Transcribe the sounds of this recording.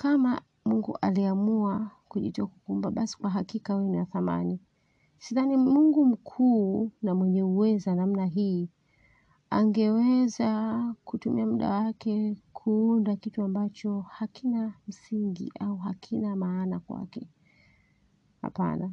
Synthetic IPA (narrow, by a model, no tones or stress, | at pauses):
kama | muŋɡṵʔa̰liamuakuʄḭtiakukumbaɓasi̥kwaɦakikawɛniwaθama̰ni | siðanimuŋɡum̩kʰuːnamwɛɲɛuwɛzanam̩naɦiː | a̰ŋɡɛwɛzakutumʔḭamuɗa̰wakʰɛkʰuundakituambat͡ʃɔhakʰinam̩siŋɡḭʔauɦakʰinamaːnakwa̰kɛ̰ | ha̰pa̰na